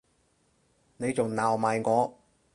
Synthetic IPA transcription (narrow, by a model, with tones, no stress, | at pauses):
ne˨˧jt͡sʊ˨˩ŋnaː˨˩wmaː˨jkɔː˨˥